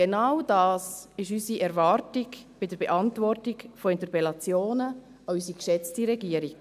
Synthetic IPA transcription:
ɡenawd̥ɑːsɪʃysiʔɛɾvɑːɾtiɡb̥ɪdəɾb̥ɛʔɑntvɔrtiɡfɔɛntəpɛlɑt͡sjoːnə | ɑysikʃɛt͡stiɾɛɡiəɾi

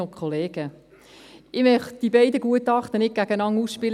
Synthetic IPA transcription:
okχoleːɡ̥ə | ʔɪmœχd̥ibɛɪdəɡuətɑχt̪ənɪt̚ɡ̥æɡ̥ənɑŋusʃpɪl

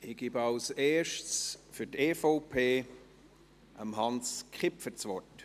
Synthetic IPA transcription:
ɪɡ̥ibɑlseːʃtsfyteːfoʊpʰeː | ʔəmɦɑnskχɪpfət͡svɔɹt

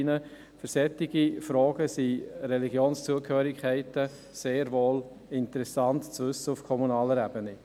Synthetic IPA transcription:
nə | fʏɾsɛtːiɡifɾɔːɡ̥əsiɾɛliɡjoːnst͡suəkhøːɾɪkʰæɪtə | seːɾʋoːl | ɪntəɾɛsɑntt͡sʋɵsːəufkʰɔmunɑːləɾæb̥ənɪ

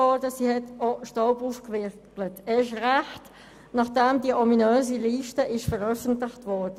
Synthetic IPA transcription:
ɔdəsiːhɛtoʃtɔʊpuːfkʋɪkklətɛːɪʃ̬ʁæχt | nɑχd̥ɛmdiəʔɔminøːziliːʃtəʔɪʃfəɾœfəntlɪχtʋɔɾdə

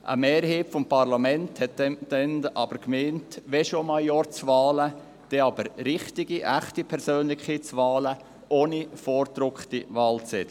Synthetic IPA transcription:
ʔə̰meːɾɦiːpfɔmpʰɑɾlɑmɛnthɛtd̥ɛnʔɑ̰b̥əɾkmeːntʋɛʃomɑljɔːɾt͡svɑːlə | d̥ɛɑbəɾɾɪχtɪɡiʔæχtipʰɛɾsøːnlɪkʰiːt͡sʋɑːlə | ʔoːnifoːɾd̪ɾʊkχtiʋɑːlt͡sɛd

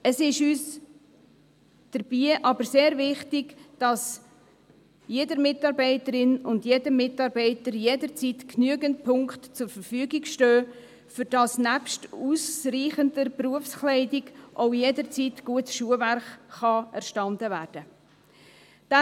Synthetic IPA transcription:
əsɪʃyːs | d̥əɾbiːʔɑbəɾseːɾvɪχtɪɡd̥ɑs | jedəɾmɪtɑɾbɛɪtəɾɪnʊndjedəmɪtɑɾbɛɪtəɾjedəɾt͡siːtknyəɡəntpʰʊŋktt͡sʊɾfəɾfyːɡiɡʃtøː | fʏɾd̥ɑsnæpʃtuːsriːχəndəpruəfsklɛɪdɪɡʔoʊjedəɾt͡siːtɡ̥uətsʃuəværχːɑɛɾʃtɑndəvæːrd̥ə | d̥æ

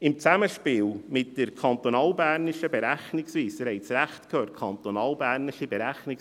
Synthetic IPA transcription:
ɪmt͡sæməʃpiːlmɪt̚d̥əɾkʰɑnt̪onɑːlbæːɾnɪʃəbɛɾæχnɪksviːsəɾhɛɪt͡sɾæχtkʰøːt̚kʰɑnt̪onɑːlbæːɾnɪʃibɛɾæχnɪk

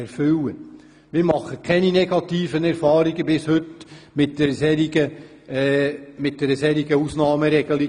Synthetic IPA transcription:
ɛɾfʏwə | mɪːɾmɑχːəkʰɛninɛɡ̥ɑt̪iːfənɛɾfɑːɾiɡəbɪshɵtmɪt̚d̥ɛɾsɛɾiɡə | mɪt̚d̥ɛɾəsɛɾiɡəusnɑːməɾɛɡ̥əli

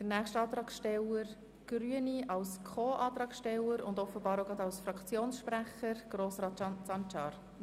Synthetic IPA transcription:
d̥ənæːχʃtɑːt̪ɾɑːkʃtɛləɾ | ɡ̥ɾyəniɑwskʰoːʔɑːt̪ɾɑːkʃtɛləɾʊ̰nd̪ɔfəbɑːɾoɡɾɑd̪ɑwsfrɑkʰt͡sjoːnsʃpɾæχəɾɡ̥ɾoːsɾɑːtt͡ʃɑsɑnt͡ʃɑːɾ

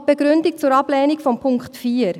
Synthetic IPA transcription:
b̥ɛɡɾʏndik̚t͡sʊːɾɑb̥lɛːnikfɔmpʰʊŋkχtfiːəɾ

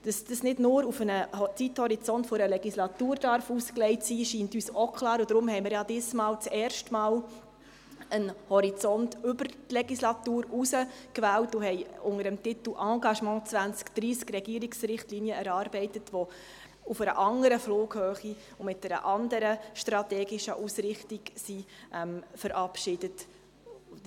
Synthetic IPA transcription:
d̥ɑsd̥əsnɪdnʊːɾufənət͡sithɔɾit͡sɔntfoɾəlɛɡislɑtuːɾd̥ɑɾfusklɛɪtsiːʃiːntyːsokʰlɑːɾʊd̥ɾʊmhɛjmɪːɾjɑd̥ɪːsmɑːlt͡sɛːrʃtmɑːl | ənhɔɾit͡sɔntʏbəɾtlɛɡislɑtuːɾusəkʋæːltʊhɛɪʊŋəɾəmtɪt̪l̩ʔɑ̃ːɡɑʃmɑ̃ːt͡sʋænt͡skd̪̥ɾiːskrɛɡiːɾiksɾɪχtlinjəɛɾɑːɾbɛɪtətʋɔ | ufəɾə̰ʔɑŋəɾəfloːɡ̥høːχi | ʊmɪt̚d̥ɛɾə̰ʔɑnd̪əɾəʃtɾɑtɛːɡɪʃəʔusɾɪχtiɡsiʔɛmfəɾʔɑpʃɪd̥ət

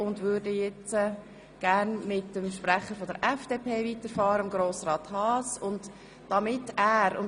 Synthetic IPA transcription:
ʊndʋʏːɾdəjɛt͡sə | ɡ̥æːɾnmɪtːəmʃpɾæχəɾfɔdəɾʔɛfd̥eːpʰeːvitəɾfɑːɾəəmɡɾoːsrɑːt̪hɑːsʊnd | d̥ɑmɪtæːɾʊn

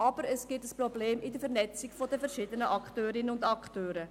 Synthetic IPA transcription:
ɑb̥əɾəsɡ̥ɪtəsprɔbleːmʔɪdəfɛɾnɛt͡sɪɡfɔdəfɛɾʃɪd̪ənəʔɑktøːɾɪnəʊndɑktøːɾə

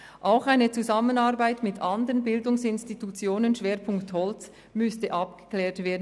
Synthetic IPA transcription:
ʔaʊxaɪnət͡suzamənaʁbaɪtmɪtʰʔɑndəʁənbɪldʊŋsɪnstitut͡sjoːnənʃv̥eːɾpʰʊŋkthɔlt͡s | mʏstəʔɑpɡ̥ə̥klɛːɐtv̥eːɐdn

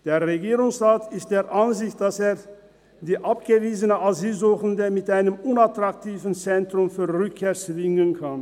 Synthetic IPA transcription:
d̥eːɐʁeɡiːʁʊŋsʁaːtɪst̚d̥eːɐʔanzɪçtd̥aseːɐ | diːʔapɡ̥əviːzənəʔazyːlzuːxən̩dəmɪtʔaɪnəmʊnatʁ̥ak̚tʰiːvn̩t͡sɛntʁ̥ʊmfyːɐʁʏkʰːeːɐt͡svɪŋənkʰan

